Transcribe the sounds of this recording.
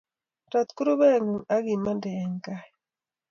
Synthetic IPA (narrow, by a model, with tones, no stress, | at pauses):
ta˨t̪ku˦ɾo˦bɛ˦˨ŋu˨a˦ɡi˨ma˦ndɛː˨ɲka˦ɛ